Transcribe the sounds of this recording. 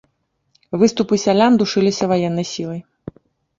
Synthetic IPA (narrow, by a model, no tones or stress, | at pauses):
vɨst̪upɨsʲalʲand̪uʂɨlʲisʲɐvajɛnːɐjsʲilˠɐj